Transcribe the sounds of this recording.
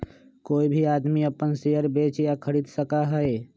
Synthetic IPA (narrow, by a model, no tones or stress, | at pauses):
koːibʱiaːd̪miəpənsejəɾbeːt͡ʃjakʰəɾiːd̪səkaɦəe